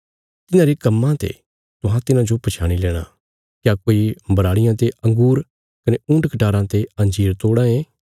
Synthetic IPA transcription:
t̪ɪnãɾekɐmːãt̪ḛ | t̪ʊɦãt̪ɪnãd͡ʒopɐt͡ʃʰaːɽ̃ilɛːɽ̃ã̰ | kjaːkoːibɐɾaːɽɪjãt̪eɐ̃ŋɡuːɾ | kɐneũːɳʈkɐʈaːɾãt̪eɐ̃nd͡ʒiːɾt̪oːɽãẽː

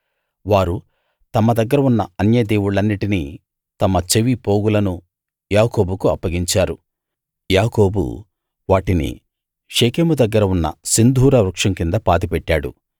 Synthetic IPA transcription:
ʋaːɾu | t̪ɐmɐd̪ɐɡːɐɾɐunːɐɐnjɐd̪eːwuɭɐnːiʈini | t̪ɐmɐt͡ʃeʋipo̞ːɡulɐnu | jaːko̞ːbukuɐpːɐɡiɲt͡ʃaːɾṵ | jaːko̞ːbṵ | ʋaːʈinḭ | ʂeːkeːmud̪ɐɡːɐɾɐunːɐ̰sind̪ʱuːɾɐɾukʂɐŋkind̪ɐpaːd̪ipɛʈːaːɽṵ

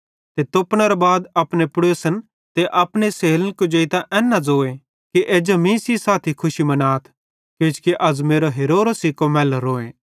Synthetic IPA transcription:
t̪et̪opɽ̃əɾobaːd̪ɐpnepʊɽoːsən | t̪eʔɐpneseːlənkod͡ʒeit̪aʔɛːnːad͡zoːẽ | kiʔeːd͡ʒomĩsisaːt̪ʰikʰʊʃimɐnaːt̪ʰ | keːt͡ʃkiʔɐzmeːɾoɦeːɾoːɾsikomɛːlɾoːẽː

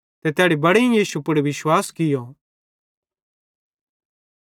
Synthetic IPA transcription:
t̪ɛt̪jɛːɽibɐɽẽjiːʃupʊɽʋɪʃwaːskɪjo

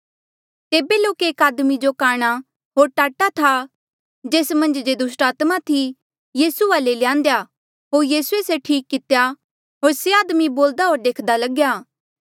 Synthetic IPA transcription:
t̪eːbeloːkeːkaːd̪mid͡ʒokaːɽ̃a | ɦoːɾʈaːʈat̪ʰa | d͡ʒeːsmɐ̃nd͡ʒd͡ʒed̪ʊsʈaːt̪mat̪ʰi | jiːsuʋaːlelɪjãːnd̪eja | ɦoːɾjiːsueseʈʰiːkːɪt̪eja | ɦoːɾseaːd̪miboːld̪aɦoːɾd̪eːkʰd̪alɐɡjaː

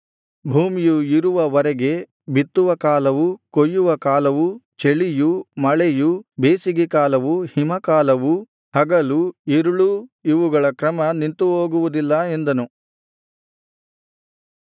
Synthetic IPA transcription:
bʱuːmijuiɾuʋɐʋɐɾɛɡe̞ | bit̪ːuʋɐkaːlɐʋukojːuʋɐkaːlɐʋut͡ʃeɭijumɐɭejubeːsiɡekaːlɐʋuhimɐkaːlɐʋu | hɐɡɐluiɾuɭuiʋuɡɐɭɐkɾɐmɐnint̪uɦoːɡuʋud̪ilːɐe̞nd̪ɐnu

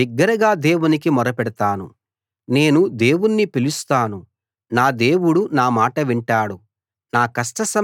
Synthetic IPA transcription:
iɡːɐɾɐɡaːd̪e̞ːwunik̬imɔɾɐpɛɽɐt̪aːnṵ | ne̞ːnud̪e̞ːwunːipilust̪aːnu | naːd̪e̞ːwuɽunaːmaːʈɐʋiɳʈaːɽu | naːkɐsʈɐsɐ

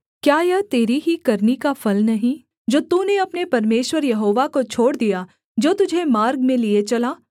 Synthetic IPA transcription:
kjaːjɐt̪eːɾiɦikɐɾnikafʰɐlnɐɦĩ | d͡ʒoːt̪uneɐpnepɐɾmeːʃwəɾjɐɦoːʋakot͡ʃʰoːɽd̪ija | d͡ʒoːt̪ʊd͡ʒʱemaːɾɡmẽliet͡ʃɐlaː

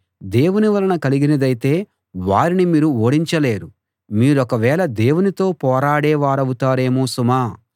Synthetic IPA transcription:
d̪e̞ːwuniʋɐlɐnɐkɐliɡinɐd̪ɐjit̪e̞ː | ʋaːɾinimiːɾuoːɽiɲt͡ʃɐle̞ːɾu | miːɾɔkɐʋɛːɭɐd̪eːwunit̪o̞ːpɔːɾaːɽɛːʋaːɾɐwut̪aːɾe̞ːmoːsumaː

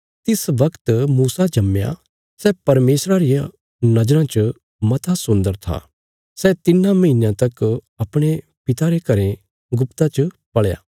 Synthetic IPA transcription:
t̪ɪsʋɐkt̪muːsad͡ʒɐmːja̰ | sɛːpɐɾmeːsɾaɾɪjã | nɐd͡ʒɾãt͡ʃə | mɐt̪ʰasʊ̃nd̪əɾt̪ʰa̰ː | sɛt̪ɪnãmɐɦɪnãt̪ɐk | ɐpɽ̃e | pɪt̪aɾekɐɾẽ | ɡʊpt̪at͡ʃə | pɐɭja̰ː

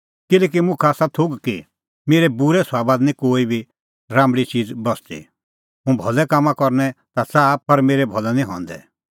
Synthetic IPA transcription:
kɪlɛːk̬imʊ̃kʰaːsat̪ʰʊɡki | meːɾɛbuɾɛsʊaːbaːd̪nĩkoːibʱi | ɾãːmɽit͡ʃiːd͡zbɔst̪ḭ | ɦũbʱɔlɛkamːãkɔɾnɛt̪asapɐɾmeːɾɛbʱɔlɛnĩɦɔ̰̃ːnd̪ɛ̰

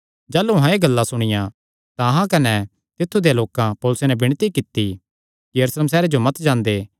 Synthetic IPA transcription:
d͡ʒaːluɦãeɡɐlːãsʊɽ̃ɪjã | t̪ãɦãkɐnɛ | t̪ɪt̪ʰːud̪ejaloːkãpoːlʊsenɛbɪɽ̃t̪ikɪt̪ːi | jɐɾusleːms̬ɛːɾed͡ʒomɐt̪d͡ʒãːnd̪eː

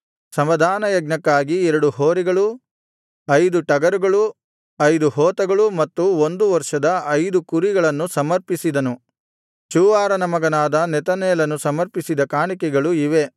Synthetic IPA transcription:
sɐmʋɐd̪ʱaːnɐjɐɡnɐkːaːɡiɛɾɐɽuhoːɾɛɡɐɭu | ɐjd̪uʈɐɡɐɾuɡɐɭu | ɐjd̪uɦɔːt̪ɐɡɐɭumɐt̪ːuond̪uʋɐɾʂɐd̪ɐɐjd̪ukuɾiɡɐɭɐnːusɐmɐɾpisid̪ɐnu | t͡ʃuːʋaːɾɐnɐmɐɡɐnaːd̪ɐnɛt̪ɐnɛːlɐnusɐmɐɾpisid̪ɐkaːɳikɛɡɐɭuiʋe̞

